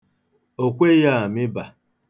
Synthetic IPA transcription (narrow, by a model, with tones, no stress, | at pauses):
o˨kʷe˦ja˦a˨mɪ˦ba˨